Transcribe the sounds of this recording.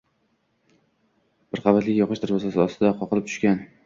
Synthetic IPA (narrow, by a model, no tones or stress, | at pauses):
b̥ɪɾqʰɑvat̪lɪkʲjɒqɨʃd̪ʰaɾbɒsasɪɒst̪ʰɪd̪aqʰɒqɨlˠɪp̚t̪ʊ̥ʃkʲan